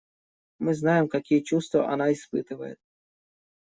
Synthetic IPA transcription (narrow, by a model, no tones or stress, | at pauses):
mɪznɑjemkɐkʲiɛt͡ʃust̪ʋɐ̰ʔɐ̰nɑispɪt̪ɪʋɐje